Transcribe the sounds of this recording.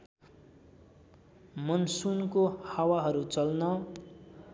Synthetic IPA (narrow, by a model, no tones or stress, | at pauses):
mʌnsunkohawaɦʌɾut͡sʌlnʌ